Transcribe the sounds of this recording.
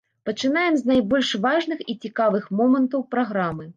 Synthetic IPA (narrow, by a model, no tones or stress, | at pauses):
pɐt͡ʂɨn̪ajɛmznajbɔlʲʂvaʐnɨxit͡sʲikavɨxmɔmɐnt̪ɐwpɾaɣɾamɨ